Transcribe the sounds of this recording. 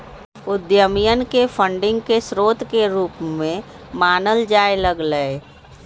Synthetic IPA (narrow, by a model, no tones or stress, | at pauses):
ʊd̪jəmijənkepʰə̃ɳɖɪ̃ŋɡ̚kesɾoːt̪keɾuːpmẽ | maːnəld͡ʒaːeləɡləe